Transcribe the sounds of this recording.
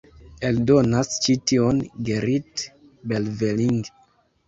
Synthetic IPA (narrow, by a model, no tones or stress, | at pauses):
eldonast͡ʃitionɡeɾit | belveliŋɡ